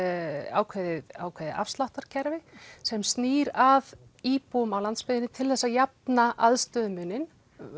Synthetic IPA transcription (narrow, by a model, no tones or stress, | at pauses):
a̰ːwkʰvɛðɪa̰ːwkʰvɛːðɪ̰ʔa̰fst̪laht̪aɾ̥cʰɛɾvɪsɛmst̪niːɾaðiːpuʏmawlant̪spɪðɪnɪt̪ʰɪlθɛsːajap̚naʔaðst̪œːðʏmʏnːɪn